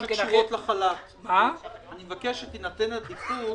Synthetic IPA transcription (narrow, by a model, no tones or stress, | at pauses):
ʃuvot̪laχalat | maanimevakeʃet̪inatenedifu